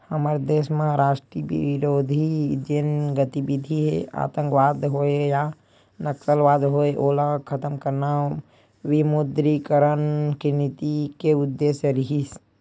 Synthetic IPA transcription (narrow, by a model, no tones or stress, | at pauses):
həməɾd̪eːsmẽɾaːʃʈɾibḭɾod̪ʱid͡ʒenɡət̪ibid̪ʱiɦea̰ːt̪ə̃ŋkʋaːd̪ɦoeja | nəksəlʋaːd̪ɦoeʔoːlakʰət̪əmkəɾna | wimud̪ɾikəɾənkinit̪ikeʊd̪ːeːsjəɾiɦis